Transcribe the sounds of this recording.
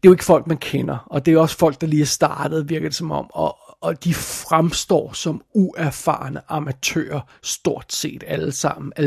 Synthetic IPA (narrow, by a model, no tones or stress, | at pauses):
d̥e̝jʊe̝ɡ̥əfɒ̽l̰ɡ̥̚mænkʰenɐɒ̽d̥e̝æɒ̽sfɒ̽l̰ɡ̥̚d̥ɑ̈liːæsd̥ɑ̈ːd̥əð̞̩ˠʋiɐɡ̥əð̥ˠesɒ̽mɒ̽mɒːd̥ifʁamsd̥ɒ̰ːsɒ̽muʔæɐfɑ̰̈ːnəʔɑ̈mæt͡sʰø̰ːɐ | sd̥o̝ɐ̰d̥se̝̰ːd̥æləsɑ̈m̰n̩æ